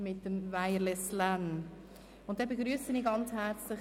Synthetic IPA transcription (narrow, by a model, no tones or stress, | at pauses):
mɪt̚ːəmvaɪəlɛslan | ʊntd̥ɛbeɡɾyːəsəniːɡɑnt͡shɛɾt͡slɪ